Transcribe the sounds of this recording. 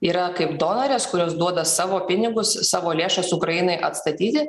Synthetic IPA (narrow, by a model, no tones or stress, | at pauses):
iːɾɐkɐɪpd̪oːnɐɾʲeːskʊɾʲoːsd̪uɔd̪ɐsɑːʋoːpʲɪnʲɪɡʊssɑːʋoːlʲeːʃɐsʊkɾɐjɪnɐɪʔɐt̪st̪ɐt̪ʲiːt̪ʲɪ